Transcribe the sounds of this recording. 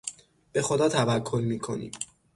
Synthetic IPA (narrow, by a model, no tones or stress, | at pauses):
b̥e̞xo̞d̪ɒːt̪ʰævækʰːo̞lmiːkʰo̞̰nḭːm